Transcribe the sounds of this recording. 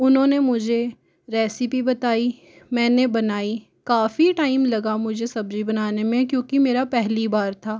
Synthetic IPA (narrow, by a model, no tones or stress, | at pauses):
ʊnɦõːnemʊd͡ʒʱe | ɾɛːsɪpibɐt̪aːi | mɛ̃ːnebɐnaːi | kaːfiʈaːɪmlɐɡamʊd͡ʒʱesɐbd͡ʒibɐnaːnemẽkjõːkimeːɾapɛɦlibaːɾt̪ʰaː